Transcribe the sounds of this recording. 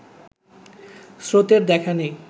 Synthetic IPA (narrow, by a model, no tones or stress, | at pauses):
sɾot̪eɾd̪ɛkʰanej